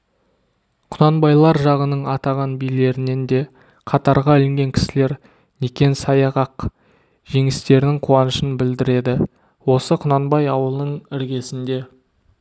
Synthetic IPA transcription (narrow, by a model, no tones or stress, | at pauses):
qʰʊnɑnbɑjlˠɑɾʒɑʁənəɴɑt̪ɑʁɑnbijle̞ɾɪne̞nd̪e̞ | qʰɑt̪ɑɾʁɑɪlɪŋɡʲe̞ŋkʲʰɪ̥sɪle̞ɾ | nekʲe̞nsɑjɑʁɑq | ʒ̥e̞ŋɪst̪e̞ɾnɪŋqʰuwɑnəʃənbɪld̪ɪɾe̞d̪ɪ | wo̞səqʰʊnɑnbɑjɑwəlˠnəɴɪɾɡʲe̞sɪnd̪e̞